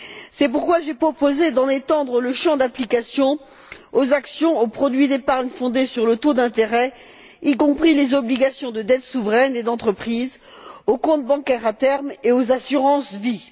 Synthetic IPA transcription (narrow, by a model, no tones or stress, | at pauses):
sɛp̬uʁkwaʒepχɔpozed̪ɑ̃net̪ɑ̃d̪ʁələʃɑ̃d̪aplikasjɔ̃ | ozaksjɔ̃opχɔd̪ɥid̪epaʁɲfɔ̃d̪esyʁlət̪od̪ɛ̃t̪eʁɛ | ikɔ̃pχilezɔbliɡasjɔ̃d̪əd̪ɛt̪suvʁɛned̪ɑ̃t̪χəpχiz | okɔ̃t̪̚bɑ̃kɛʁat̪ɛʁmeozasyʁɑ̃svi